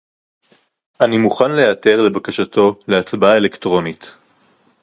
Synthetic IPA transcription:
ʔanimuχanle̞jate̞ʁle̞bakaʃatʰo̞le̞at͡sbae̞lektʁo̞nit

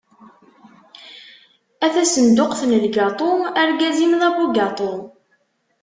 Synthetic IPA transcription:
æθæsənd̪ʊqθnəlɡɑt̪ˤoməɾɡæzimðæbuɡɑt̪ˤom

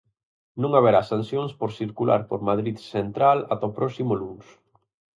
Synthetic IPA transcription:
nũŋaβeɾasansjoŋspoɾsiɾkulʔa̰ɾpoɾmaðɾiðsent̪ɾala̰t̪apɾɔsimʊluŋs

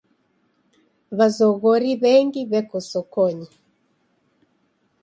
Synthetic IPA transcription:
βazɔɣɔɾiβɛŋɡiβɛkɔsɔkɔɲi

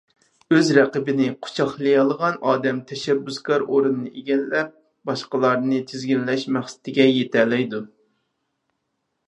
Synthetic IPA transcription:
øzɾæqəbɪnɪqʰʊ̥t͡ʃʰɑχlˠɨjɑlˠəʁɑnʔɑːd̪ɛmt̪ʰɛʃɛbːyskʰɑɾoɾɨnɨnɨʔeɡʲɛnlɛp̚ | b̥ɑʃqəlˠɑɾnɨt͡ʃ̪ʰɪzɡʲinlɛʃmæχsɪ̥t̪ʰɪɡʲɛjet̪ʰɛlɛjd̪u

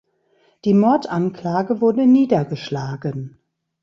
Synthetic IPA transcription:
d̥iːmɔɐtʔankl̥aːɡəvʊɐdəniːdɐɡəʃlaːɡən

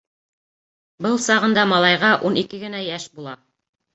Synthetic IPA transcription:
bɤlˠsɑʁɤ̆nd̪ɑmɑlˠɑjʁɑʔunikɘɡɘ̆næjæʃbulˠɑ

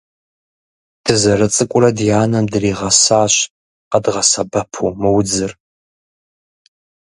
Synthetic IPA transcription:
dʰɨzɐɾɨt͡sʼɨkʷʼʊrɐdjaːnɐmdɨriːʁɐsaːɕ | qɐdʁɐsɐbɐpʰuːmɨwd͡zɨr

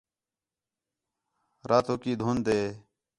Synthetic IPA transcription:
ɾaːt̪oːkiːd̪ʱuːnd̪eː

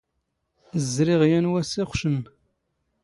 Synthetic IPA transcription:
zɾɪʁjænwæsiχʷʃəm

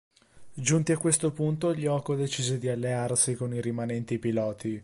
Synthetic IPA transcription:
d͡ʒunt̪iakwest̪opunt̪oiʎːɔːkod̪et͡ʃiːzed̪ialːearsikoniɾimanɛnt̪ipilɔːt̪i

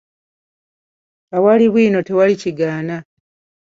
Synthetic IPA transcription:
awaliβwiːno̞te̞waliciɡaːna

